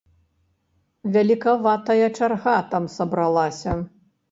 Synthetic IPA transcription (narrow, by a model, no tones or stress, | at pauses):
vʲalʲikavat̪ɐjɐt͡ʂarɣat̪amsɐbɾɐlˠasʲɐ